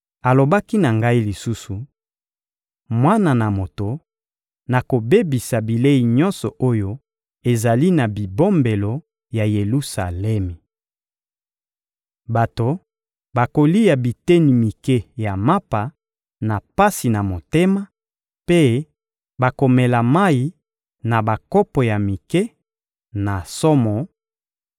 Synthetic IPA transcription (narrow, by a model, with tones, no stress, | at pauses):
a˨lo˨ba˦ki˦na˨ŋɡa˦i˦li˨su˦su˨ | mwa˦na˨na˨mo˨to˨ | na˨ko˨be˦bi˨sa˨bi˨le˦i˨ɲɔ˦nsɔ˨ʔo˦jo˦ | e˨za˨li˦na˨bi˨bo˦mbe˨lo˨ | ja˨je˨lu˦sa˨lɛ˦me˨ | ba˨to˨ | ba˨ko˨li˦ja˨bi˨te˦ni˨mi˨ke˦ja˨ma˦pa˨ | na˨pa˦si˨na˨mo˨te˦ma˦ | pe˦ | ba˨ko˨mɛ˨la˨ma˦i˦ | na˨ba˨kɔ˦pɔ˨ja˨mi˨ke˦ | na˨sɔ˦mɔ˨